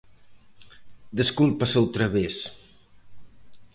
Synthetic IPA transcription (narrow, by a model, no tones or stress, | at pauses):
d̪əskulˠpasɛwt̪ɾəβes